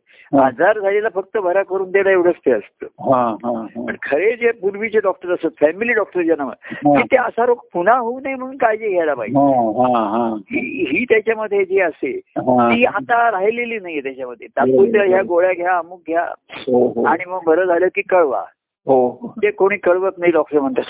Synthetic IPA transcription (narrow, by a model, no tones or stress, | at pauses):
ɦad͡zaɾd͡zʱalilafək̚t̪əbʱəɾakəɾuːnt̪eɽaeʋɽət͡st̪ʰeəst̪əɦãɦãpəɳkʰəɾed͡zepuɾʋit͡ɕeɖɔk̚ʈəɾəsat̪fɛmiliːɖɔk̚ʈəɾd͡ʑanamə̰kiːt̪eəsaɾokpunaɦounaim̤əɽuːnkajd͡ʑeɡʱjajlapa̰ɦiaɦɦãɦiːɦiːt̪jat͡ɕjaməd̪ʱːjed͡ʑeəseɦãt̪iːat̪aɾaɦjleliːnajet̪jat͡ɕjaməd̪ʱːjet̪akuɾt̪jaɦjaɡoɭjaɡʱjaːmuːk̚ɡʱja̰ɦoɦaɽ̃iməɡbʱəɾəd͡zʱaləkiːkəɭʋa̰ | ɦod͡ʑ̪ekoɽ̃iːkəɭʋəknaiɖɔk̚ʈəɾm̤əɳt̪əs